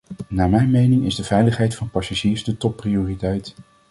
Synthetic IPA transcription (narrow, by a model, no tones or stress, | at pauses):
naːmɛjnmejnɪŋɪzdəv̥ɛjləχɦɛjtfɑnpɑsaʒiːɹzdətɔpːrioːritɛjt